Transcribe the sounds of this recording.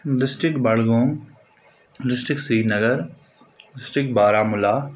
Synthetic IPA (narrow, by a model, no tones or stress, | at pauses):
ɖɪsʈɾɪkbɐɽɡõː | ɖɪsʈɾɪksiːnɐɡəɾ | ɖɪsʈɪkbaːɾaːmʊlaː